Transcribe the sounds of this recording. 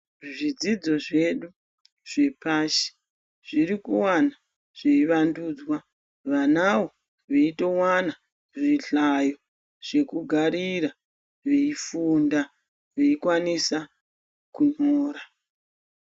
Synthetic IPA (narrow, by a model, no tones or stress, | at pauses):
ʐid͡zid͡zo̞ʐe̞ɗu | ʐ̥e̞paʃi̥ | ʐ̥irikuwana | ʐ̥eiʋanduːd͡zwa | ʋanawo̞ | ʋeito̞wana | ʐiɬajo̞ | ʐ̥e̞kuɡʱaɾiɾa | ʋe̞ifunda | ʋeikwanisa | kunoːɾa